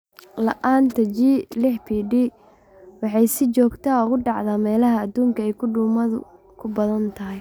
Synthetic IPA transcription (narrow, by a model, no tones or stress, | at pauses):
lɐʔaːnt̪ʰɐd͡ʒiːlɪħbiːɖi | wɑħɑjsɪt͡ʃɔːɡt̪ʰaːɔɣʊɖɑʕðaːmɛːlɐɦɐːd̪uːŋkʰɐɛjkʰʊɖuːmɐðʊ̰ | kʰʊbɐðɐnt̪ʰɐɦɪj